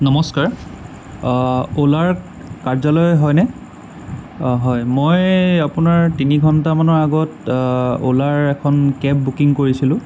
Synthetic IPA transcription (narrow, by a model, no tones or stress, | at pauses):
nɔmɔskaɹ | olaɹ | kaɹzɔlɔjɦɔjnɛ | ɦɔjmojapunaɹtiniɡʱɔntamanɔɹaɡɔt | o̰laɹɛkʰɔnkɛp̚bukiŋkoɹisilʊ̃